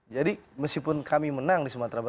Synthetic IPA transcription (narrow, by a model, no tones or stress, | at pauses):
d͡ʒadiməskipʊnkʰamimənaŋdisəmat̪ɾabə